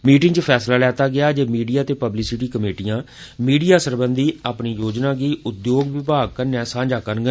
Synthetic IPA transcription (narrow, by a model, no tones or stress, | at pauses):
miːʈɪŋɡt͡ʃəpʰɛːslaːlɛːt̪aːɡɪaːd͡ʒeːmiːɖijaːt̪eːpəblɪsɪʈiːkəmeːʈijãː | miːɖijaːsəɾbənd̪iːaːpniːjoːd͡ʒnãːɡiːʊd̪joːɡʋɪbaːɡ̚kəɾnɛ̃ːsãːɲd͡ʒaːkəɾɡə